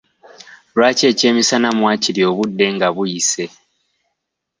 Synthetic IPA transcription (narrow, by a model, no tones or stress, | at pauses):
lwaːce̞ːce̞ːmisanamwaːcilio̞βudːe̞ŋɡaβujise̞